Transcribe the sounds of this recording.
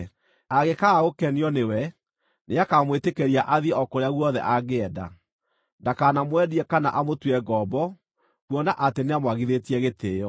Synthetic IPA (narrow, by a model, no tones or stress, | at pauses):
aɣekaokɛniɔnewɛ | neakamwetekɛɾiaʔaðiɛɔkoɾeaɣwɔðɛ̰ʔaɣeɛda̰ | ndakanamwɛdiɛkanaʔamotwɛɡɔbɔ | kwɔnaʔateneamwaɣiðetiɛɣeteːjɔ